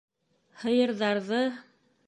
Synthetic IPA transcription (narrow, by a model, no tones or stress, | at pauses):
hɤ̆jɤ̆ɾðɑɾðɤ